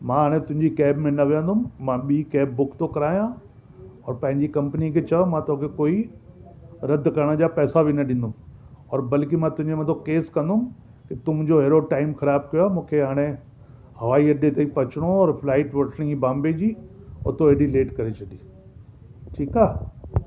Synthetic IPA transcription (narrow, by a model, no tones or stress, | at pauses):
mãɦaːɽ̃ẽt̪ʊ̃ɦɪ̃ɲd͡ʑikɛːbmẽnɐʋijə̃nd̪ʊmmãɓiːkɛːbːʊkʰt̪okɐɾaːijã | ɔːɾpɐ̃ɦɪ̃ɲd͡ʑikɐ̃mpnikʰet͡ɕɐmãt̪oɦkʰekoːi | ɾɐd̪ʱkɐɾəɽ̃əd͡ʑaːpɛːsabʱinɐɗɪ̃n̆d̪ʊm | ɔːɾbɐlkimãt̪ʊɦɪ̃ɲd͡ʑemɐ̃t̪ʰokeːskɐ̃nd̪ʊm | kit̪ʊm̃d͡ʑoɦeːɾoʈaːɪmxɐɾaːb̚kɐjoaːmũːkʰeɦaːɽ̃ẽ | hɐʋaːiɐɗet̪eipɐt͡ɕɪɽ̃oɔːɾflaːɪʈʋɐʈʰɽ̃ĩbãːmbed͡ʑiːʊ̰t̪oeɗileːʈkɐɾet͡ɕʰɐɗĩː | ʈʰiːkaː